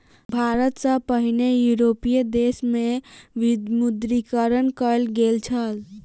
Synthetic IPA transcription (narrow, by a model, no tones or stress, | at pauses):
bʱaɾət̪sə̃pəɦinejuɾopied̪esmeʋid̪mud̪ɾikəɾənkəlɡelt͡ʃʰəl